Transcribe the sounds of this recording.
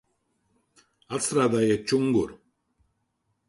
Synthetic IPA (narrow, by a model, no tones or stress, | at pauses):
at͡sʰɾad̪ajet͡ʃuŋɡuɾ